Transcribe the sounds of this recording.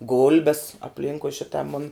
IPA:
ˈɡʊlʲbʲɛs ɐpʲˈlʲɪŋkʊɪ ˈʃʲɪtɐ mʊnʲ

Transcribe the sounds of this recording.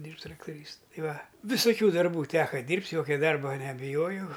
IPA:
ˈdʲiːrʲpʲtʲ trɐktoːˈrʲiːs ˈtɐɪ ˈʋɐ ʋʲɪsoːˈkʲuː dɐrˈbuː ˈtʲæːkɐ ˈdʲiːrʲpʲtʲ ˈjoːkʲɛ ˈdɐrbɐ nʲɛbʲɪˈjoːjɛʊ

